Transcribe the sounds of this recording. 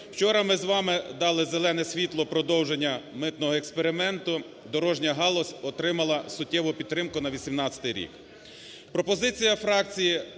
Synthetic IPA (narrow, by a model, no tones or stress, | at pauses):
w̥t͡ʃɔɾɐmɪzʋɑmɪd̪ɑlˠɪzelˠɛnɛsʲʋʲit̪lˠɔpɾɔd̪ɔwʒenʲːɐmɪt̪nɔɦɔɛkspeɾɪmɛnt̪ʊ | d̪ɔɾɔʒnʲɐɦɑlˠɔsʲɔt̪ɾɪmɐlˠɐsʊtʲːɛʋʊpʲid̪̚t̪ːɾɪmkʊnɐʋʲisʲimnɑt͡sʲɐ̥t̪ɪjɾʲḭk | pɾɔpɔzɪt͡sʲijɐfɾɑk̚t͡sʲiji